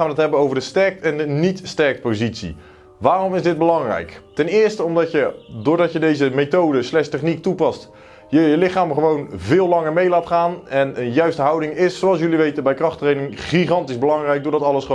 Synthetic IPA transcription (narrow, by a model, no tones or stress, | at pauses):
aːnʋədətɦɛbənowvəɹdəstɛɹk̚tɛndənitstɛɹk̚t̚pozitsḭ | ʋaːrɔmɪzdɪd̚bəlɑŋrɛ̰jktɛnɪːɹstəɔmdɑjədʊːɹdɑcjədejzəmejtowdəslɛstɛχnik̚tupɑst | jəjəlɪχaːməχəʋownvɪːlˠlɑŋəɹmejlaːtχaːnɛnənjœɥstəɦɑwdɪŋɪsːowɑlˠs̬jɵliʋejtənbɛjkrɑχtrejnɪŋχiχɑntizbəlɑŋrɛjɡ̚dʊːɹdɑtɑləsχ